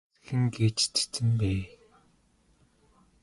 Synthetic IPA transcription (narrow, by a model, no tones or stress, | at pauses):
xɘ̆ŋɡeːt͡ɕt͡ɕe̥t͡sɘ̆mpæː